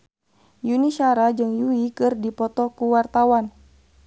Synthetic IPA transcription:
juniʃaɾad͡ʒɨŋjuikɨrdipɔt̪ɔkuwart̪awan

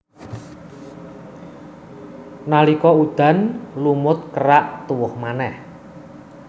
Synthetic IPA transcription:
nalikɔud̪̥a̤nlumʊt̪̚kəɾaʔt̪uwʊhmanɛh

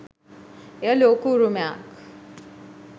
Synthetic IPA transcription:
jəlokuɾumjak

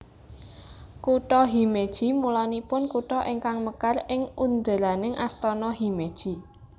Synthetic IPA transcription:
kuʈɔɦimed̥ʒ̥i̤mulanipʊnkuʈɔʔɪŋkaŋməkarɪŋund̪əlanɪŋʔast̪ɔnɔɦimed̥ʒ̥i̤

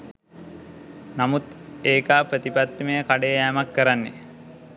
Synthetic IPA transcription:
namut̪eːkaːpɾət̪ipat̪ːimejəkaɖəjæːmakːəɾanːe

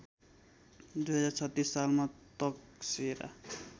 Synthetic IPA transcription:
d̪ujɦʌd͡zaɾt͡sʰʌt̪ːissalmat̪ʌksiɾa̰

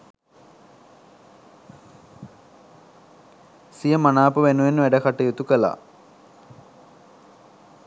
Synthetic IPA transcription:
sijəmanaːpəʋenuʋenːəʋæɖəkaʈəjut̪ukəla̰ː

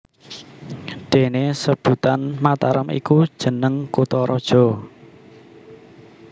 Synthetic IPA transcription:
ɖ̪̥e̤nesəb̥ut̪anmat̪aɾəmḭkud̥ʒ̥ə̤nəŋkut̪ɔɾʔɔd̥ʒ̥ɔ̤

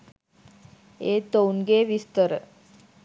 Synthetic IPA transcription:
et̪ownɡeʋist̪əɾ

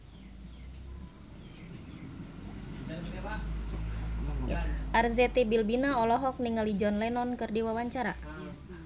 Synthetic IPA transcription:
ʔarzɛt̪ebilbinaɔlɔɦɔk̚niŋalid͡ʒɔnlɛnɔnkɨrdiwawaɲt͡ʃaɾa

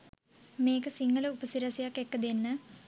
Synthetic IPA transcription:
meːkɐsiŋːɐlɐupɐsiɾɐsijakːekːɐd̪inːɨ

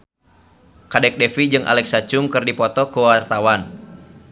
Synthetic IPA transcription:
kadɛk̚dɛfid͡ʒɨŋʔa̰lɛksat͡ʃʊŋkɨrdipɔt̪ɔkuwart̪awan

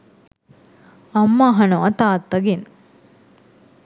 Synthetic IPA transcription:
ɐmːaɦɐnoɐt̪aːt̪ːɐɡin

